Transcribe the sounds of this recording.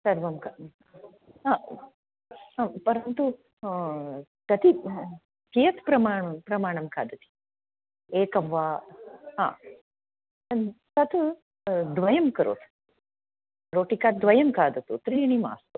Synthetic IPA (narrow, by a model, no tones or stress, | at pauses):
sɐɾʋɐmka | ɦaː | pɐɾɐnt̪u | t̪ɐt̪i | kijɐt̪ʰpɾɐmaːɳɐpɾɐmaːɳɐmkʰa̰ːd̪ɐt̪i̥ | eːkɐʋʋaːɦã̰ː | t̪ɐt̪ʰ | d̪ʋɐjɐmkɐɾo̰ːt̪ʰ | ɾoːʈikaːt̪̚d̪ʋɐjɐmkaːd̪ɐt̪ut̪ɾijɐɳima̰ːst̪u